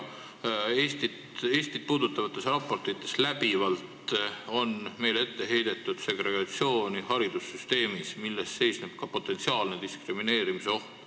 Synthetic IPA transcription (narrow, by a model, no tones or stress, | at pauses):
eːst̪id̪e̞ːst̪id̪̥̚puːd̪ut̪ːˑɑvɑt̪ˑːe̞srɑpːˑo̞rt̪ˑit̪ːˑe̞̥slæbivɑlt̪o̞nme̞jle̞t̪ːe̞ɦe̞jd̪̥e̞t̪ːˑud̪̥se̞ɡre̞ɡ̥ɑt̪sio̞ːnihɑɾid̪usːyst̪e̞ːmismilːest̪se̞jsneb̥̚kɑpo̞t̪ːˑe̞nsiɑːlne̞d̪iskrimine̞ːɾimiseo̞ht̪